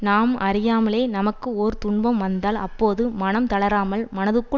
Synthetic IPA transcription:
naːmɐɾɪjaːmɐɭeːnɐmɐkːɯoɾɯt̪ʊɳbɐmʋɐnd̪aːlɐpːoːðɯmɐnɐmt̪ɐɭɐɾaːmɐlmɐnɐðɯkːɯ

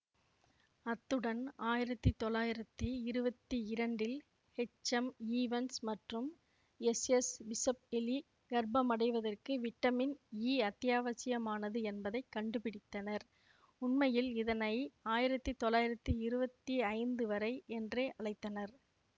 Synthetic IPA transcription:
ɐt̪ːɯɽɐnaːjɪɾɐt̪ːɯt̪ːɔlːaːjɪɾɐt̪ːɯɪɾɯbɐt̪ːɯɪɾɐɳɖɪl | hɛt͡ʃːɐmiːʋɐnsmɐʈrɯm | ɛsɛsbɪsɐp̚ɛli | ɡɐɾbɐmɐɽɐɪʋɐðɐrkɯʋɪʈːɐmɪniːɐt̪ːɪjaːʋɐsɪjɐmaːnɐðɯɛnbɐðɐɪkːɐɳɖɯpɪɽɪt̪ːɐnɐɾ | ʊnmɐjɪlɪðɐnɐɪaːjɪɾɐt̪ːɯt̪ːɔlːaːjɪɾɐt̪ːɯɪɾɯbɐt̪ːiɐɪnd̪ɯʋɐɾɐɪʔɛndreːʔɐɭɐɪt̪ːɐnɐɾ

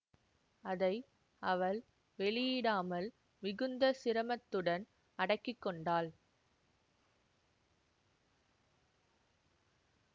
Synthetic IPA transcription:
ɐðɐɪ | ɐʋɐɭ | ʋɛɭɪjɪɽaːmɐl | mɪɣɯnd̪ɐsɪɾɐmɐt̪ːɯɽɐn | ɐɽɐkːɪkːɔɳɖaːl

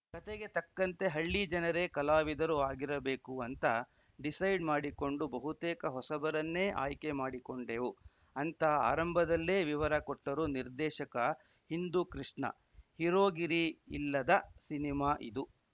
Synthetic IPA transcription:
kɐt̪eɡe̞t̪ɐkːɐnt̪e̞ɦɐɭːid͡ʒɐnɐɾe̞kɐlaːʋid̪ɐɾuaːɡiɾɐbeːkuɐnt̪ɐ | ɖisɐjɖmaːɽiko̞ɳɖubɐɦut̪eːkɐɦɔsɐbɐɾɐnːe̞ːʔa̰ːjke̞maːɽiko̞ɳɖeːʋu | ɐnt̪ɐa̰ːɾɐmbʱɐd̪ɐlːeːʋiʋɐɾɐkɔʈːɐɾuniɾd̪ɛːʃɐkɐ | hind̪ukɾiʂɳɐ̰ | hiɾo̞ːɡiɾḭːlːɐd̪ɐsinimaːʔḭd̪u

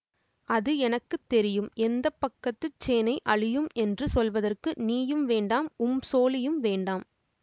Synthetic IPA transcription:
ʔɐðɯɛnɐkːɯt̪ːɛɾɪjɯmɛnd̪ɐpːɐkːɐt̪ːɯt͡ʃːeːnɐɪʔɐɻɪjɯmɛndrɯsɔlʋɐðɐrkɯniːjɯmʋeːɳɖaːmʊmsoːlɪjɯmʋeːɳɖaːm

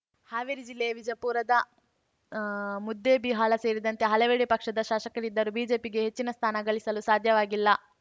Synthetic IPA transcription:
haːʋiɾid͡ʒilːejɐʋid͡ʒɐpuːɾɐd̪ɐ | mud̪ːebiɦaːɭɐse̞ːɾid̪ɐnt̪e̞ɦɐleʋeːɽepɐkʂɐd̪ɐʃaːʃɐkɐɾid̪ːɐɾubiːd͡ʒe̞ːpiɡe̞ɦet͡ʃːinɐst̪ʰaːnɐɡɐɭisɐlusaːd̪ʱjɐʋaːɡilːɐ

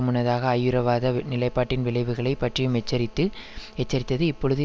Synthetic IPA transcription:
ɯmɯnɐðaːɣɐːjːɯɾɐʋaːðɐnɪlɐɪpːaːʈːɪnʋɪɭɐɪʋɯɣɐɭɐɪpːɐʈrɪjɯmɛt͡ʃːɐɾɪt̪ːɯɛt͡ʃːɐɾɪt̪ːɐðɯɪpːɔɻɯðɯ

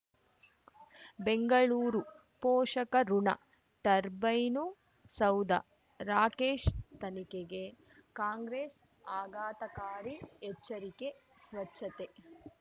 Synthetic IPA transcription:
beŋɡɐɭuːɾu | poːʂɐkɐɾuɳɐ̰ | ʈɐɾbɐjnu | sɐwd̪ɐ̰ | ɾaːkeːʃt̪ɐnikeɡe̞ | kaːŋɡɾeːs | aːɡaːt̪ɐkaːɾiɛt͡ʃːɐɾikesʋɐt͡ʃʃʰɐt̪e

